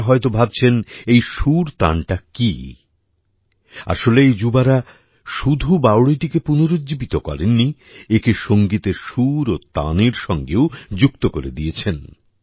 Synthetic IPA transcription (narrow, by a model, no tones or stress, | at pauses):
ɦɔet̪obʱab̚t͡ɕʰenejʃuɾt̪a̰nʈaki | a̰ʃoleejd͡ʑubaɾa | ʃud̪ʱubawɽiʈikepunoɾod͡ʑibit̪okɔ̰ɾenːi | ekeʃoŋɡit̪eʃuɾot̪a̰neɾʃɔŋɡeod͡ʑukt̪okoɾed̪ijet͡ɕʰen